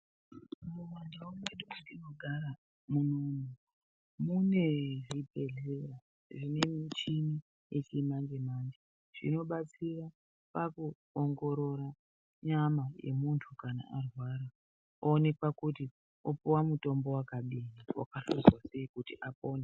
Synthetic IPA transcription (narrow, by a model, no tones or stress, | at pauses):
muwandawoneɗukandino̞ɡʱaɾa | munonu | mune̞ribʱe̞ɮera | ʐinemit͡ʃini | jet͡ʃimaŋd͡ʒemaːnɡe | ʐ̥ḭno̞ɓat͡sira | paku | oŋɡo̞ɾo̞ɾa | ɲamaje̞̰muntʰukana̰ʔarwaɾa | oːne̞kwakuti | opuwamuto̞mbo̞wakaɓiniwa̰kaɬuzwase̞ikutiʔapo̞ːna